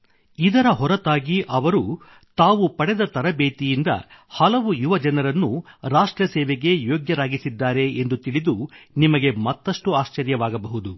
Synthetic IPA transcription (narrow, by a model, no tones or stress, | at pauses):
id̪ɐɾɐɦɔɾɐt̪aːɡiʔɐʋɐɾu | t̪aːʋupɐɽɛd̪ɐt̪ɐɾɐbeːt̪ijind̪ɐ̰hɐlɐʋujuʋɐd͡ʒɐnɐɾɐnːuɾaːʂʈɾɐsɛːʋeɡe̞joːɡjɐɾaːɡisid̪ːaːɾe̞end̪ut̪iɭid̪unimɐɡe̞mɐt̪ːɐʂʈuaːʃt͡ʃɐɾjɐʋaːɡɐbɐɦud̪u